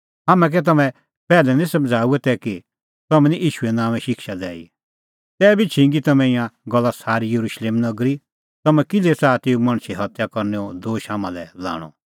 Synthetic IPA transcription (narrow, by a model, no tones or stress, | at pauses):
ɦɐmɛ̃k̬ɛt̪̬ɐmɛ̃ | pɛːlɛnĩsɐ̃md͡zʱaːuɛt̪ɛki | t̪ɐmɛ̃nĩʔiːʃuɛnãːʋ̃ɛ̃ʃɪkʃad̪ɛ̰ːḭ | t̪ɛːbʱit͡ʃʰĩŋɡit̪ɐmɛ̃ɪ̃jãɡɔlːasaːɾijɐɾuːʃleːmnɐɡɾi | t̪ɐmɛ̃kɪlɛsaːt̪eːumɐ̃ɽ̃siɦɐt̪jakɐɾnɛɔd̪oːʃɦamã̰lɛla̰ːɽ̃ɔ̰